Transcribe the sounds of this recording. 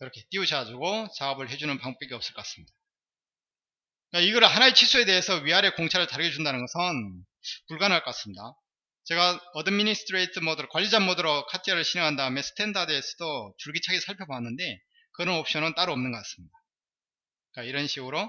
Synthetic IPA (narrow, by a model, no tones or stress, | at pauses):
iɾʌkʰe̞t͈iud͡ʑaad͡ʑuɡot͡ɕaʌbɯɭɦe̞d͡ʑunɯnpaŋmuk͈̚eɡiʌp̚s͈ɯɭk͈ʌk͈as͈ɯmɲida | k͈aiɡʌɾɯɭɦanaet͡ɕʰisʰue̞de̞esʰʌɥiɦaɾe̞koŋt͡ɕʰaɾɯɭtaɾɯɡjʌd͡ʑundanɯnɡʌsʰʌn | puɭɡanɯɭk͈k͈as͈ɯmɲida | t͡ɕe̞ɡaʌdɯminisʰt͈ʰɯɾeitʰɯmodɯɾkwaʎːid͡ʑamodɯɾʌkʰatʰijʌɾɯɭɕʰineŋɦandaɯme̞sʰɯ̥tʰe̞ndʰadeːsʰʌdot͡ɕuɭɡit͡ɕʰaɡisʰaɭpʰjʌboanːɯnde̞ | kɯɾʌnʌp̚ɕ͈ʌnɯnt͈aɾuʌmnɯnŋɡʌk͈as͈ɯ̥mɲida | k͈aiɾʌnɕʰiɡɯɾo